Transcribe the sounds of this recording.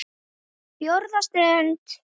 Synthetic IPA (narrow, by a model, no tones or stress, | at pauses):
pjoɾðast̪ɛnt̪